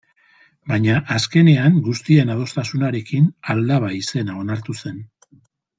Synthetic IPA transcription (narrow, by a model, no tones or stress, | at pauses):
bajɲaʔaske̞ne̞aŋɡust̪ie̞nað̞o̞st̪asunaɾe̞kinald̪aβaise̞nao̞naɾt̪use̞n